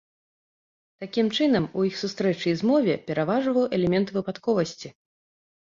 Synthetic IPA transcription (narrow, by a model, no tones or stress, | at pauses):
t̪akʲimt͡ʂɨnɐmujixsust̪ɾɛt͡ʂɨjzmɔvʲɛpʲɛɾavaʐvɐwʔɛlʲɛmʲɛnt̪vɨpat̪kɔvɐsʲt͡sʲi